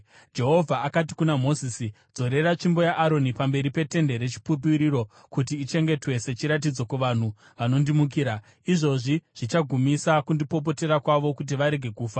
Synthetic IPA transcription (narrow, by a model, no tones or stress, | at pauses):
d͡ʒe̞ɦo̞vʱaakat̬ikunamo̞zisi | d͡zo̞ɾe̞ɾat͡ʃimbo̞jaʔːɾo̞nipambe̞ɾipe̞te̞nde̞ɾe̞t͡ʃi̥pup̬iɾiɾo̞ | kutiːt͡ʃe̞ŋɡe̞twe̞se̞t͡ʃiɾat̬id͡zo̞kuʋan̤u | ʋano̞ndimuk̬iːɾa | iʐo̞ʐiʐ̥it͡ʃaɡʱumisakundipo̞p̬o̞te̞ɾakwaʋo̞kut̬iʋaɾe̞ɡʱe̞kuːfa